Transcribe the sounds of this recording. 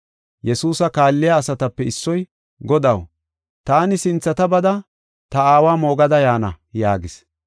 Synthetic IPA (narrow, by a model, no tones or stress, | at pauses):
jɛsuːsɐkaːlːɪjaːsɐt̪ɐpːɛɪsːɔj | ɡɔd̪ɐw | t̪aːnɪsɪnt͡sːɐt̪ɐbɐd̪ɐ | t̪ɐaːwaːmo̞ːɡɐd̪ɐjaːnɐ̰ | jaːɡɪs